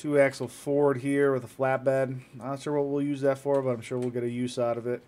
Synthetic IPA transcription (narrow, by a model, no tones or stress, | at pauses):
tʰʉæk̚t͡ʃl̩ˠfɔɹəd̚ɦiɹwɨðəflæt̚b̥ædaɪd̃sʃʊɹwʌt̚wilˠjʉzðɨtfɔɹbʌɾãɪ̃mʃʊɹwilˠɡɛɾɨjʉsaʊɾʌvɪt̚